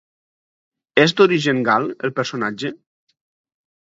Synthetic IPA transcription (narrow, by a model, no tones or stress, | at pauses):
ɛzd̪oɾiʒeŋɡalḛlˠpeɾsonad͡ʒe